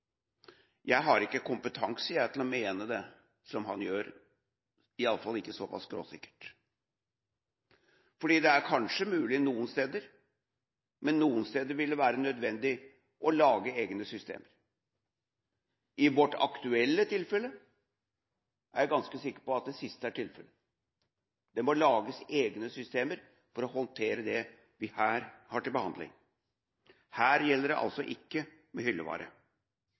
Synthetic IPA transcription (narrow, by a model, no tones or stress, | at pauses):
jæɪɦɑɾɪkːəkʊmpət̪ʰɑŋsəjæɪt̪ʰlɔmeːnəd̪ɛ | sɔmɦɑnjøːɾ | ɪɑlːəfɑlːɪkːəsɔpʰɑ̰sɡɾo̰ːsɪkːə̥ʈ | fɔɖiːd̪ɛæɾkʰɑnʂəmʉːlɪnuːənst̪eːd̪əɾ | mɛnːuːənst̪eːd̪əɾʋɪlːʋæːɾənœd̪ʋɛnd̪ɪ | ʔɔlɑːɡəeːɡnəsʏst̪ḛːməɾ | ʔɪʋɔʈɑ̰kt̪ʉɛlːət̪ʰɪlfɛlə | ʔæɾjæɡɑnskəsɪkːə̥ɾpɔɑt̪̚d̪ɛsɪst̪əæʈʰɪlfɛlə | d̪̥ɛmɔlɑːɡəseːɡnəsʏst̪eːməɾ | fɔɾɔhɔnt̪ʰeːɾəd̪ɛ | ʋɪhæːɾhɑʈɪlbəhɑ̰nd̪lɪ̰ŋ | hæːɾjɛlːəɖɛʔɑ̰lsɔʔɪkːə | mɛhʏlːə̰ʋɑ̰ːɾʔə̰